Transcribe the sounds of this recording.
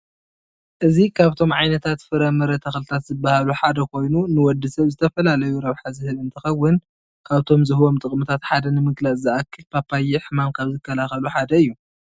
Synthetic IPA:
ʔɨzikʰaβt̪ʰo̞mʕajnɐt̪ʰat̪fɨɾɐmɐɾɐt̪ʰɐxlt̪ʰat̪zɨbːahaluħad̪ɐkʰo̞jnunɨwɔd̪ːɨsɐβzɨt̪ʰɐfɐlalɐjuɾɐβħazɨhɨβɨnt̪ʰɨxɐwːɨn | kʰaβt̪ʰo̞mzɨhwo̞mt̪ʼɨkʼmɨt̪ʰat̪ħad̪ɐnɨmɨɡlɐt͡sʼzɨʔakʰːɨlpʰapːajiħɨmamkʰaβzɨkʰːɐlaxɐluħad̪ɐɨjːu

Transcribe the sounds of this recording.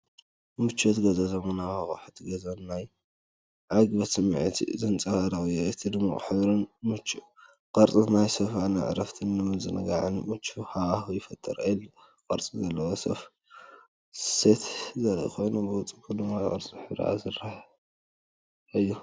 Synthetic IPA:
mɨt͡ʃːot̪ɡɐzɐzɐmɨnawhaxʼuħt̪ʰɡɐzɐnːaj | ʕaɡbɐsɨm̰ʕt̪ʰḭzɨnt͡sʼɐɣɐɾɐjʔɨt̪ʰid̪ɨmːaʔʼɨħɨβɾɨnmɨt͡ʃːu | qʼɐɾt͡sʼinajsɐfanɨ̰ʕ̰ɾɐft̪ʰinːɨmɨnzɨnɨɡaʕɨnmɨt͡ʃːuhaaxujɪfɐt̪ʼːɐɾlː | kʼɐɾt͡sʼizɐlːɐwosɐ̰f | set̪zɐlɐ̰kojnubɨwʊt͡sʼɨbʰud̪ɨmːajkʼɐ̰ɾt͡sʼiħɨβɾ̰ʔa̰zɨɾah | ɨjːu

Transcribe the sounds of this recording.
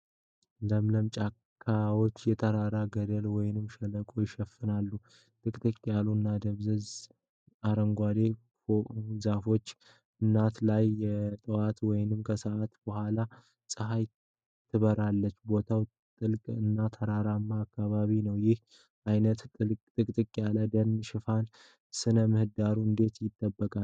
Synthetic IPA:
ləmləmt͡ʃʼakʰːawo̞t͡ʃːjɛt̪ʰəɾaɾaɡəd̪əlwɔjnɨmʃɛləkʼojɪʃɛfɨnalːu | t̪ʼɨkʼt̪ʰʼəkʼːjaluɨnːad̪əβzəz | aɾəŋɡʷad̪e̞ | fozafo̞t͡ʃː | ɨnːat̪lajːɛt̪ʼɨwat̪wɔjnɨmkʰəsəʔat̪b̥əhʷala | sʼɨɦaj | t̪ʰːɨβəɾalːət͡ʃːbo̞t̪ʰaw | t̪ʼɨlkʼɨnːat̪ʰəɾaɾamːaːkːaβaβinəwjɪh | ʔajnət̪kʼt̪ʼɨkʼt̪ʼɨkʼjaləd̪ənʃɪfan | sɨnəmɨhɨd̪aɾuɨnd̪e̞t̪jɪd̪ʼːəbːəkʼa

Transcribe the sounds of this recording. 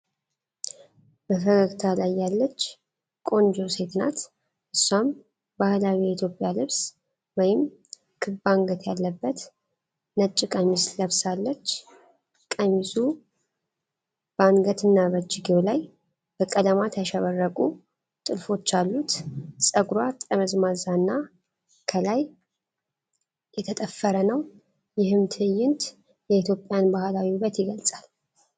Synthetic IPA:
bəfəɡəɡt̪ʰalajːalːət͡ʃː | kʼo̞nd͡ʒose̞t̪ʰna̰t̪ | ʔɨsːam | bahlawijɛit̪ʰjo̞pʼjalɨβs | wɔjɪm | kʰɨbaŋɡət̪jalːəbːət̪ | nət͡ʃʼːikʼəmisləβsalːət͡ʃː | kʼəmisu | b̥anɡət̪ɨnːaβəd͡ʒɪɡiolaj | b̥əkʼələmat̪ʰəʃɛβərːəkʼu | t̪ʼɨlfo̞t͡ʃːalːut̪sʼəɡɾwat̪ʼəməzmazanːa | kʰəlaj | jɛt̪ʰət̪ʼəfːəɾənəw | jɪhɨmt̪ʰɨjːɪnt̪ | jɛit̪ʰjo̞pʼːjanbahlawiβət̪jɪɡəlsʼal

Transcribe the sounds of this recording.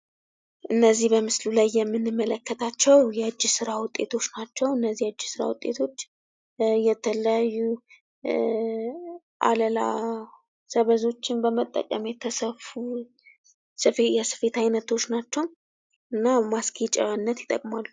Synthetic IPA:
ʔɨnːəzːihbəmɨslulajːɛmːɨnːɨmːələkːət̪ʰat͡ʃːɛwjɛɨd͡ʒːɪsɨɾawʊt̪ʼːe̞̰t̪ʰo̞t͡ʃːnat͡ʃːɛwɨnːəzːihad͡ʒːɪsɨɾa̰wʊt̪ʼːe̞t̪ʰo̞t͡ʃː | jɛt̪ʰələjajːu | ʔa̰ləla̰ | səβəzo̞t͡ʃːɪnbəmət̪ʼːə̰kʼə̰mjɛt̪ʰəsəfu | sɨfejɛsɨ̥fe̞t̪ajnət̪ʰo̞t͡ʃːnat͡ʃːɛw | ʔɨnːamaskʰit͡ʃʼɛanːət̪jɪt̪ʼə̰kʼmalːu

